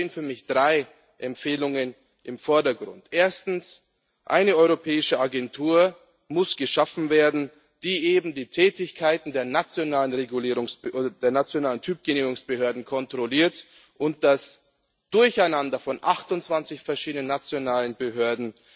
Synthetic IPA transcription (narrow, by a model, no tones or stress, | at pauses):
eːənfyːɐmɪçd̥ʁaɪ | ʔɛmpfeːlʊŋən | ʔɪmfɔɐdɐɡʁʊ̰ntʔeːɐstn̩s | ʔa̰ɪnəɔʏʁopʰɛːɪʃəʔaɡɛntʰuːɐ | mʊsɡ̥əʃafn̩veːɐdn̩ | d̥iːʔeːbm̩diːtʰɛːtɪçkʰaɪtn̩deːɐnat͡sjonaːlənʁeɡuliːʁʊŋsd̥eːɐnat͡sjonaːləntʰyːp̚ɡ̥eniːʊŋsb̥əhøɐdn̩kʰɔntʁ̥oliːɐt | ʔʊnt̚d̥as | d̥ʊɐçaɪnandɐfɔnʔaχtʊntt͡sv̥ant͡sɪçfɛɐʃiːdənənat͡sjonaːlənbəɦøɐdn̩